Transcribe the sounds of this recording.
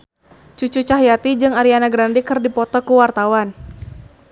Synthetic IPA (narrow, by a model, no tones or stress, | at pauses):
t͡ʃut͡ʃut͡ʃaɦjat̪id͡ʒɨŋaɾianaɡɾandikɨrdipɔt̪ɔkuwart̪awan